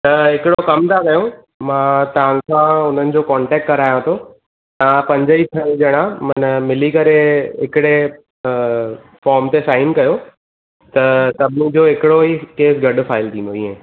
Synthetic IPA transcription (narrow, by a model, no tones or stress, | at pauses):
t̪ɐɦɪkɪɽokɐmt̪ʰakɐjõ | mãːt̪ɐʋ̤ãkʰãːʊn̤ənɪ̆d͡ʑokɔ̃ːɳʈɛːk̚ʈkɐɾaːjãt̪ʰoː | t̪ɐʋãpɐ̃ɲd͡ʑəipʰɐũld͡ʑɐɽ̃ãmɐnmɪlikɐɾeɦɪkɪɽe | fɔːɾmt̪esaːɪnkɐjo | t̪ɐsɐbʱɪnĩd͡ʑoɦɪkɪɽoɦikeːsɡɐɖfaːɪlt̪ʰĩːnd̪oḭːḛ̃